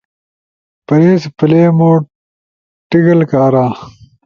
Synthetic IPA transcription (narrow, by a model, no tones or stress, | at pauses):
pɐɾeːspɐleːmoː | ʈiɡɐlkaːɾaː